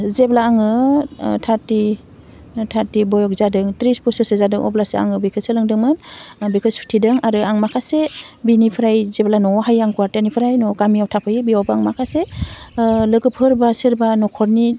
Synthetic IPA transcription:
zeblaːŋɯtʰaɾti | tʰaɾtibɔjɔk̚zadɯŋtɾispʰusɯsezadɯŋʔɔ̰blasea̰ŋɯbikʰɯsɯlɯŋdɯŋmɯnbikʰɯsu̥tʰidɯŋaɾɯaŋmakʰasebinipʰɾajzeblanɔɦajaŋkuaɾtanipʰɯɾajnɔkamijawtʰapʰɯjbiawbɯaŋmakʰase | lɯɡɯpʰɯɾbasɯɾbanɔkʰɔɾni

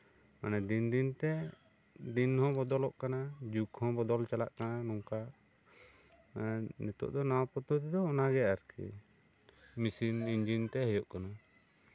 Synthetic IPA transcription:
ma̰nɛd̪ind̪int̪ɛ | d̪inhɔ̃bɔd̪ɔlɔʔkanad͡ʒukhɔ̃bɔd̪ɔlt͡ʃala̰ʔkananɔŋkaʔ | nɛt̪ɔ̰ʔd̪ɔnawapɔt̪ut̪ɛd̪ɔːnaɡɛʔaɾkʰḭ | misiniɲd͡ʒint̪ɛɦɛjɔʔkana

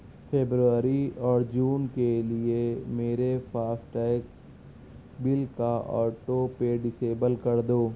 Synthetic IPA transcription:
pʰeːbɾuʋəɾiɔːɾd͡ʒuːnkeliemeːɾefʰaːsʈɛːɪk̚ | bɪlkaʔɔ̰ːʈopeɖɪseːbəlkɐɾd̪oː

